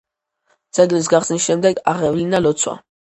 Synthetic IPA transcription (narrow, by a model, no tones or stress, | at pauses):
d̪z̥ɛɡlis̬ɡaχsnisʃɛmd̪ɛɡa̰ʁɛvlinalɔt̪sʰwa̰